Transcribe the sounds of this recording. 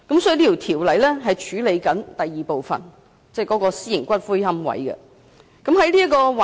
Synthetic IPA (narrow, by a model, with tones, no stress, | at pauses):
kɐ˨˥msɔː˨˦˥liː˥t̪ʰi˨˩wt̪ʰiː˨˩wlɐ˨˥jlɛː˥ɦɐ˨jt͡ʃʰyː˨˥le˨˧jkɐ˨˥nt̪ɐ˨jːiː˨po˨wfɐ̰˨n | t͡sɛː˥˩kɔː˨˥kɔː˧siː˥jɪ˨˩ŋkʷɐ˥t̚fu˥jhɐ˥mwɐ̰˨˥jkɛ̰˧ | kɐ˨˥mhɐ˨˥jliː˥kɔː˧wa˨